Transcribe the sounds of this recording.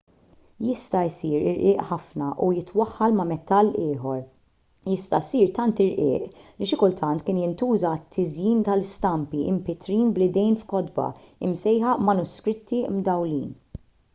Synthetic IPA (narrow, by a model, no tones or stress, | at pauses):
jɪst̪ɐjsiːɾɪ̰ɾʔɪːʔħɐfnɐʔujɪt̪wɐħːɐlmɐmɛt̪ːɐlːɪːħɔɾ | jɪst̪ɐsiːɾt̪ɐnt̪ɪɾʔɪ̰ːʔliʃɪkʊlt̪ʰɐnt̪kɪːnjɪnt̪uːzɐt̪ʰːɪzjiːnt̪ɐlɪst̪ɐmpiʔɪmpɪt̪ɾiːnblɪd̪ɛjnfkɔd̪bɐ̰ɪmsɛjħɐʔmɐnʊskɾɪt̪ʰːimd̪ɐwlḭːn